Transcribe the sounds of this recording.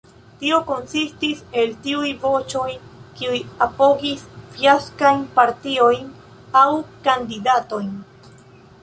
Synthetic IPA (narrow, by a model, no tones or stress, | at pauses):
tio̞ko̞nsistise̞ltiujvo̞t͡ʃo̞jkiujapo̞ɡisfjaskajnpaɾtio̞jn | awkandidato̞jn